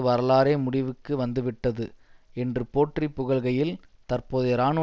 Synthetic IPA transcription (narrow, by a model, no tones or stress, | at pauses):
ɯʋɐɾɐlaːɾeːmʊɽɪʋɯkːɯʋɐnd̪ɯʋɪʈːɐðɯɛndrɯpoːʈripːʊɣɐɭɣɐjɪlt̪ɐrpoːðɯɾaːɳɯ